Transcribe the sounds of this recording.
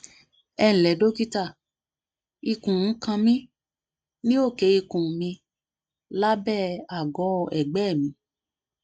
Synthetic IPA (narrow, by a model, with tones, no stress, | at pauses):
ɛ˧ñ̩˨lɛ˨˦do˦ki˦ta˦˨ | i˧kũ˨˦kã˧mĩ˦ | nĩ˦o˦˨ke˨˦i˧kũ˨mĩ˧ | la˦bɛ˦˨a˨ɡɔ˨˦˨ɛ˨ɡ͡bɛ˦˨mĩ˧˦